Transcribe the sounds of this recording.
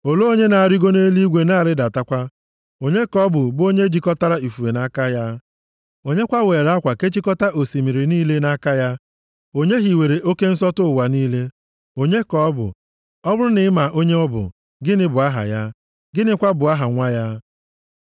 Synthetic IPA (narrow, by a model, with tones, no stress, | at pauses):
o˨lo˦o˦ɲe˦na˨a˨ɾi˦ɡo˦ne˦li˦i˦ɡʷe˨na˦˨ɾɪ˦da˨ta˦kʷa˦ | o˨ɲe˦kɔ˦bʊ˨bʊ˦o˦ɲe˦d͡ʒi˨kɔ˦ta˦ɾa˦i˨fu˨e˨na˦ka˦ja˦ | o˨˦ɲe˦kʷa˦weː˨ɾa˦kʷa˨ke˦t͡ʃi˦kɔ˦ta˦ʔo˨si˨mi˨ɾi˨niː˦le˦na˦ka˦ja˦ | o˦ɲe˦ɦi˨we˨ɾe˨ʔo˦ke˦n̩˦sɔ˦tʊ˦ʊ˨wa˨niː˦le˦ | o˨ɲe˦kɔ˦bʊ̰˨ | ɔ˦bʊ˦ɾʊ˦nɪ˦ɪ˦ma˨ʔo˦ɲe˦ɔ˦bʊ̰˨ | ɡɪ˦nɪ˦bʊ˨a˦ɦa̰˨ja˦ | ɡɪ˦nɪ˦kʷa˦bʊ˨a˦ɦa˨ŋʷa˦ja˦